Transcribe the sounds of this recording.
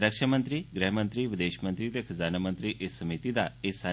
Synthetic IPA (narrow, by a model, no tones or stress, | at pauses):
ɾəkʃamə̃nt̪ɾiɡɾɛɦmə̃nt̪ɾiʋɪd̪eːʃmə̃nt̪ɾit̪ekʰəzaːnamə̃nt̪ɾiʔesːəmit̪id̪aesa